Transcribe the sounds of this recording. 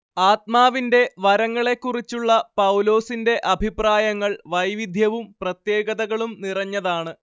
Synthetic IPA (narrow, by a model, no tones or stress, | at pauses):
aːt̪̚maːʋinde̞ʋɐɾɐŋːɐɭe̞kːurit͡ɕːuɭːɐpɐwlo̞ːsinde̞ʔɐbʱipraːjɐŋːɐɭʋɐjʋid̪ʱjɐʋumprɐt̪je̞ːɡɐðɐɣɐɭumnirɐɲːɐðaːɳɨ